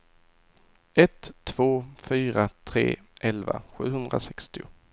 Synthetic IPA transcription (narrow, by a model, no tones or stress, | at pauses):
ɛt̪ʰːv̥oːfyːɾat̪ʰɾḛː | ʔɛlva̰ɧʉ̟ːɦɵnd̪ɾa̰sɛkst̪ɪʊ